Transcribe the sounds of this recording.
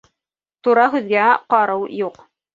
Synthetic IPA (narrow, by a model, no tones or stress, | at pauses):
t̪uɾɑɦʉðɡæqɑɾɤwjuq